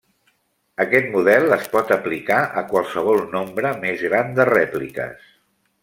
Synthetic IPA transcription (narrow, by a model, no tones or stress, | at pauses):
əkɛt̪muðɛlˠəspɔt̪əplikaʔəkwəlˠsəβ̞ɔlˠnombɾəmezɣɾand̪ərɛplikə̰s